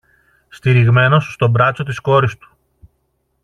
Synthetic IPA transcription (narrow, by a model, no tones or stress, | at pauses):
st̪iɾiɣme̞no̞sːt̪o̞bɾɐt͡so̞t̪isko̞ɾist̪u̥